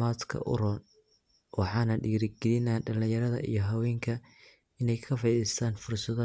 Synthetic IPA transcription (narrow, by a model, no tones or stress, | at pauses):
maːt̪kʰɐ̰ʔʊ̰ɾɔːn | wɑħɑːnɐɖiːɾɪɡɛlɪnaːɖɐlɪ̃jɐɾɐðɐ̰ʔḭjɞɦɐwɛːŋkʰɐ | ɪnɛjkʰɐfɑjðɪst̪ʰaːnfʊrsɐðɐ